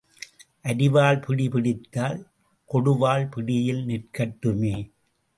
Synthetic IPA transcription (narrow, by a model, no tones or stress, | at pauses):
ʔɐɾɪʋaːlpɪɽɪpɪɽɪt̪ːaːl | kɔɽɯʋaːlpɪɽɪjɪlnɪrkɐʈːɯmeː